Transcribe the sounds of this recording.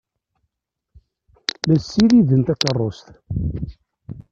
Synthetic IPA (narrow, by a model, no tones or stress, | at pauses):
mæsːiɾiðənt̪ækərˤːost̪